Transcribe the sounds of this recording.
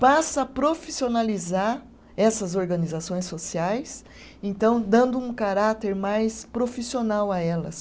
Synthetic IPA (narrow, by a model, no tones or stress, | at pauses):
pasɐɐpɾofisionalizaɾ | ɛsɐzoɾɡɐ̃nizasõj̃sosiajs | ẽnt̪ɐ̃w̃d̪ɐ̃nd̪ʊũkaɾat̪eɾmajspɾofisionawaɛlɐ̰s